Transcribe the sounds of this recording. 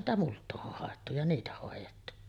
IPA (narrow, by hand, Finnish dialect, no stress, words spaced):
sitæ multˑoːʔ ʔoh hɑˑetːu jɑ niːtæ hoˑejetːu